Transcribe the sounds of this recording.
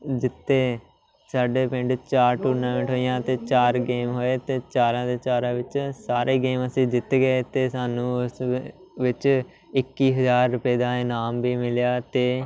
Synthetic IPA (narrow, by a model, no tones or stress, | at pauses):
d͡ʒɪt̪ʰːeː | saːɖeːpɪ̃ɳɖt͡ʃaːɾʈuːɾnãːmə̃ɳʈɦoːijãːt̪eːt͡ʃaːɾɡeːmɦoːeːt̪eːt͡ʃaːɾãːd̪eːt͡ʃaːɾãːʋɪt͡ʃsaːɾʔeːɡeːməsĩːd͡ʒɪt̪eɡeet̪eːsaːnũːʊs | ʋɪt͡ʃ | ɪkːiːɦəzaːɾːʊpeːd̪ãːeːnaːmʋiːmɪljaːt̪eː